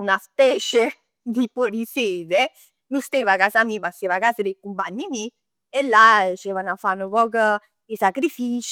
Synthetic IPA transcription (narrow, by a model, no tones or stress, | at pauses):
unaspɛːt͡ʃe | d̪ipoɾiseːd̪e | lust̪evakasamipasːevakaːsəd̪ekumpaɲːimi | elːat͡ʃɛvanafːanːəpɔːkə | isakɾifiːt͡ʃ